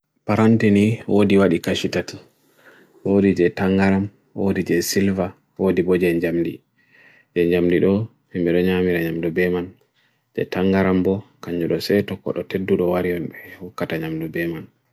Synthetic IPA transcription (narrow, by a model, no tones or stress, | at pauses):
paɾantiniwodiwaɗikaʃitati | wodid͡ʒɛtaŋɡaɾam | wodid͡ʒɛsilva | wodibɔd͡ʒɛɲd͡ʒamdi | d͡ʒɛɲd͡ʒamdiɗɔ | imɓɛɗɔɲamiɾaɲamdubɛman | d͡ʒɛ̰taŋɡaɾambɔkaɲd͡ʒuɗɔsɛtɔkːɔ̰ɗɔtedːuɗɔwaɾijɔnɓɛhukːataɲamdubɛman